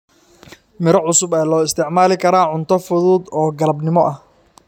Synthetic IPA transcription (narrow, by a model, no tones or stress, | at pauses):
mɪɾɐʕʊsʊbɛːlɔːɪst̪ʰɪʕmaːlɪkʰɐɾaːʕʊnt̪ʰɔfʊðuːd̪ɔːɡɐlɐbnɪmɔʔɐh